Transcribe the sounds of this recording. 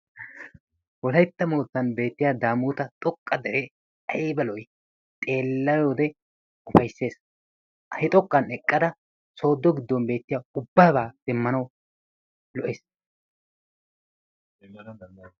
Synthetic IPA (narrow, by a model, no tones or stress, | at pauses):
wɔlɐjt̪ːɐmoːt̪ːɐnbe̞ːt̪ːɪjaːd̪aːmuːt̪ɐt̪ʼɔkʼːɐd̪ɛɾe | ɐjbɐlɔj | t̪ʼe̞ːlːɐjo̞ːd̪ɛ | ʊfɐjsːe̞ːs | ʔɐhɪt̪ʼɔkʼːɐnɛkʼːɐd̪ɐ | so̞ːd̪ːɔɡɪd̪ːɔnbe̞ːt̪ːɪjaːʊbːɐbaːd̪̥ɛmːɐnɐw | lɔʔeːs